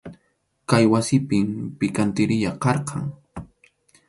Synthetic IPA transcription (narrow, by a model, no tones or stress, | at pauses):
kajwasɪpɪmpɪkant̪ɪɾɪʎaqɑɾqʰɑŋ